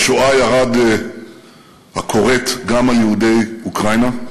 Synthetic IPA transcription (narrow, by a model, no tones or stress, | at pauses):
ʃoʔajaʁad | hakʰo̞ʁetɡamaljeude̞jukʁajna